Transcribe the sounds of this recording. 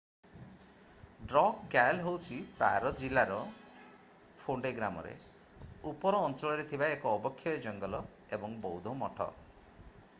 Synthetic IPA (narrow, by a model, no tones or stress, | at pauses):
ɖɾɔkɡalɦowt͡ʃʰipa̰ɾɔd͡ʒilaɾɔ | pʰoɳɖeɡɾamɔ̰ɾḛ | upɔɾɔːnt͡ʃɔɭɔɾet̪ʰibaekɔːbɔkʰːjɔed͡ʒɔŋɡɔlɔ | ebɔŋbɔud̪ʱɔmɔʈʰɔ̰